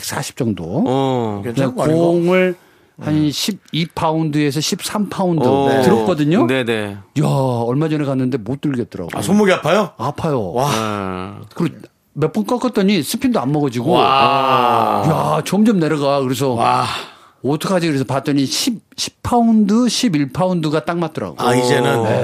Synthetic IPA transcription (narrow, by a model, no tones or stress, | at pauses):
k̚s͈ʰaɕʰi̥p̚t͡ɕ͈ʌŋdo | ekoŋɯɭ | hanɕʰib̚ipʰaundɯes̬ʰʌɕʰip̚s͈ʰampʰaundɯtɯɾʌp̚k͈ʌdɯɲonejaʌɭmad͡ʑʌnekanːɯnde̞mot͈ɯɭɡʌt̚t͈ʌɾa̰ɡ̰sʰomoɡiapʰajoapʰajo | kɯɾe | mep͈ɯnk͈ʌk͈ʌt̚t͈ʌɲisʰɯpʰindoammʌɡʌd͡ʑiɡo | jat͡ɕʌmd͡ʑʌmne̞ɾʌɡakɯɾe̞s̬ʰʌa | ʌtʰʌkʰad͡ʑikɯɾesʰʌpat͈̚ʌɲiɕʰib̚ɕʰi̥ppʰaundɯɕʰibiɭpʰaundɯɡat͈aŋmat̚t͈ʌɾa̰ɡo̰aid͡ʑe̞nɯne